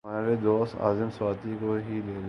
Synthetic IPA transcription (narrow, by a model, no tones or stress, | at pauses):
aːɾed̪oːst̪a̰ːzɪmswaːt̪ikoɦileːl